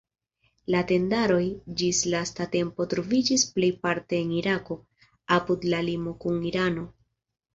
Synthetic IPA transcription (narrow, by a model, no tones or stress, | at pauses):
late̞ndaɾo̞jd͡ʒislastate̞mpo̞tɾo̞vid͡ʒisplejpaɾte̞ːniɾako̞ | apudlalimo̞kuniɾano̞